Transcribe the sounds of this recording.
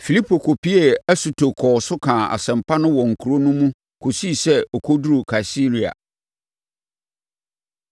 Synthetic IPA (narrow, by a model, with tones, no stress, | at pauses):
fi˨li˦pʰo˨kʰo˨pʰi˦e˨æ˦su˨tʰo˨kʰɔː˨sʊ˦kʰãː˨a̰˨sɛ̃˨mpʰa˦nʊ̃˦wɔ˨ŋ̩˨kʰu˨ɾo˦nũ˦mũ˦ | kʰo˨si˦˨sɛ˦ɔ˨kʰɔ˦du˦ɾu˨kʰa˨si˦ɾi˨a̰˨